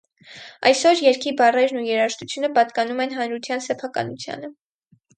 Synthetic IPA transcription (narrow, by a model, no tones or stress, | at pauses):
ɑ̰jsɔɾjɛɾkʰibɑrɛɾnujɛɾɑʃt̪ut͡sʰjunəpɑt̪kɑnumɛnɦɑnɾut̪ʰjɑn̪sɛpʰɑkɑ̰nut͡sʰjɑ̰nə